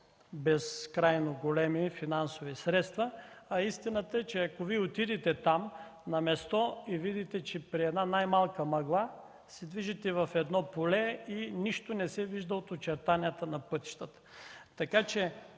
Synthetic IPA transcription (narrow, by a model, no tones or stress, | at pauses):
bɛskɾajnoɡolɛmifinansovisɾɛt̪st̪vɐɐist̪inət̪əɛt͡ʃɛɐkoviot̪id̪ɛt̪ɛt̪am | nɐmɛst̪ɔivid̪it̪ɛt͡ʃɛpɾiɛd̪nanajmalˠkəmɐɡlˠa | sɛd̪viʒit̪ɛvɐfɛd̪nɔpolɛiniʃt̪onɛsɛviʒd̪əot̪ot͡ʃɛɾt̪aniət̪ənɐpɤt̪i̥ʃt̪ət̪ə̥t̪ɐkat͡ʃɛ